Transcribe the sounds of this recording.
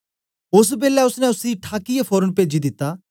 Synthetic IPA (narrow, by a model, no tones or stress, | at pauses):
ʊs̬beːlɛʊsnɛ̃ʊsiʈʰaːkijepʰoːɾənpeːd͡ʒid̪ɪt̪ːaː